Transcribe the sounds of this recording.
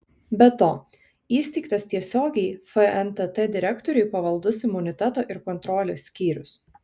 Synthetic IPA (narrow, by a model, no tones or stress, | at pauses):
bʲɛt̪oː | iːsʲt̪ʲɛɪkt̪ɐst̪ʲiɛsʲoːɡʲɛɪfəɛnt̪ɛt̪ɛd̪ʲɪɾʲɛkt̪ɔɾʲʉɪpɐʋɐlˠd̪ʊsɪmːʊnʲɪt̪ʲɛt̪oːʔɪɾkɔnt̪ɾɔːlʲeːsʲːkʲiːɾʲʊs